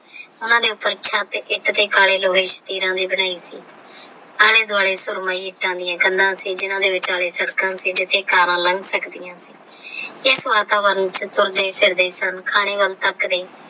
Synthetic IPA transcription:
ʊnãːd̪eːʊpːəɾt͡ʃʰaːt̪ːʔɪt̪t̪eːkaːleːloːɦeːʃə̥t̪iːɾãːd̪iːbəɽaːiːsḭː | aːleːd̪ʊaːɭeːsʊɾmãːiːɪʈːãːd̪ɪjãːɡənd̪ãːsiːd͡ʒɪnãːd̪eːʋɪt͡ʃaːleːsəɽkãːsiːd͡ʒɪt̪ʰːeːkaːɾãːləŋɡsəkd̪ɪjãːsiː | ɪsʋaːt̪aːʋəɾnt͡ʃət̪ʊɾd̪eːpʰɪɾd̪eːsənkʰaːɽeːʋəlt̪əkd̪eː

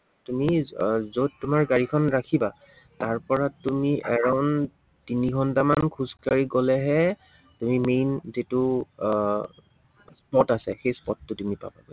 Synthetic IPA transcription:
tumizod̚tumaɹɡaɹikʰɔnɹakʰiba | taɹpɔɹatumiʔɛɹɔn | tiniɡʱɔntamankʰuzkaɹiɡolɛɦɛ | tumimejnzitʊ | spɔtasɛxejspɔtːʊtumipa̰ba̰bɔ

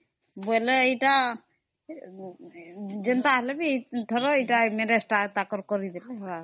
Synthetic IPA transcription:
bojleejʈa | d͡ʒent̪aɦɛlebit̪ʰɔɾoejʈameɾesʈat̪akɔɾkoɾid̪ileɔɾa

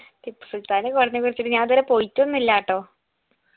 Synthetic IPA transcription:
t̪ipːɨ̥sult̪aːnekorɐɲːɨkurit͡ɕːiʈːɨɲaːnt̪ɐɾepojitːuonːilːaːʈːoː

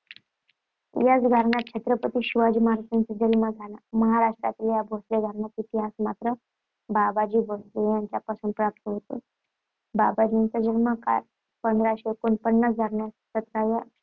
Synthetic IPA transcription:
jat͡sɡʱəɾɳat̪̚t͡ɕʰet̪ɾəpət̪iːɕiʋad͡ʑiːməɦaɾasɾint͡sad͡ʑəlməd͡zʱalaməɦaɾaʂʈɾa̰t̪iljabʱosleɡʱəɾɳat̪it̪iɦasmat̪ɾə | babad͡ʑiːbʱoslejaɲt͡ɕjapasuːɳpɾap̚t̪əɦot̪o̰ | babad͡ʑint͡sad͡ʑəlməka̰ɾ | pənd̪ɾaɕekonpənːəsɡʱaɾɳjassət̪ɾaja

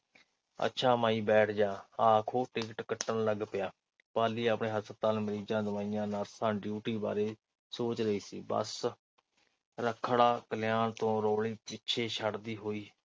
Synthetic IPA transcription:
ə̰tːʃʰaːmaːiːbɛːʈʰd͡ʒãːaːkʰoːʈɪk̬ʈkəʈːənləɡpɪjaː | paːliːəpɳeːɦəsət̪aːlməɾiːd͡ʒãːd̪əʋaːijãːnaːɾsãːɖjuːʈiːba̰ːɾeː | soːt͡ʃɾəiːsḭːbə̰s | ɾəkʰːɽaːkəljaːnt̪õːɾoːɽiːpɪtːʃʰeːʃəɽd̪iːɦoːiː

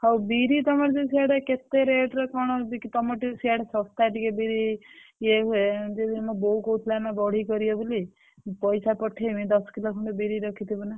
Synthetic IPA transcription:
hɔwbiɾit̪ɔmaɾt̪esiaɽaket̪ːeɾeʈɾɔkɔɽ̃ɔbikit̪ɔmɔʈisʰiaɽasɔst̪aʈikebiɾied͡ʒed̪inmɔboukout̪ʰlanabɔɽ̤ikɔɾiɔbuli | pɔjsapɔʈʰːemĩd̪ɔskilokʰuɳʈɔbiɾiɾɔkʰit̪ʰibuna

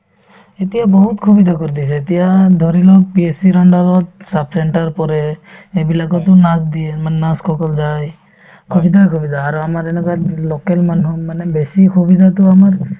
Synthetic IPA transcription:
et̪ijabɔɦut̪kʰubid̪ʱakoɾid̪isɛet̪ijad̪ʱɔɾilɔpiesiɾɔɳɖaɡɔt̪̚sap̚seɳʈaɾpɔɾeebilakɔt̪ɔnasd̪iemannaskʰɔkɔld͡ʒaj | kʰubid̪ʱakʰubid̪ʱaːɾuamaɾenɛkalɔkelmanɦɔmanebesikʰubid̪ʱat̪uamaɾ

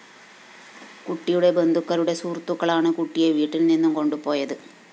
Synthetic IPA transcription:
kuʈːijuɽe̞be̞nd̪ʱukːɐɾuɽe̞suːrt̪ːukːɐɭaːɳɨkuʈːijeʋiːʈːilninːumko̞ɳɖupo̞ːjɐðɨ

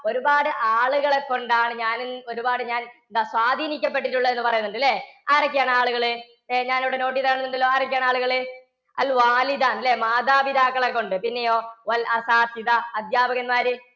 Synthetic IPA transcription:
o̞ɾubaːɽɨʔaːɭuɣɐɭekːo̞ɳɖaːɳɨɲaːnɨo̞ɾubaːɽɨɲaːned̪aswaːd̪ʱiːnikʲːɐp̬ːe̞ʈːiʈːuɭːɐe̞nːɨpɐrɐjunːuɳɖilːeaːɾɐkʲːijaːɳaːɭuɣɐɭɨ | eɲaːniʋiɽeno̞ːʈ̬ːiðaːɳɨnːuɳɖilːoːaːɾɐk̬ʲːjaːɳaːɭuɣɐɭɨ | ɐ̰lʋaːlid̪aːnilːemaːd̪aːbid̪aːkːɐɭekːo̞ɳɖɨpinːejo̞ːʋɐlɐsaːsid̪ɐɐd̪ʱjaːbɐɣɐnmaːɾɨ

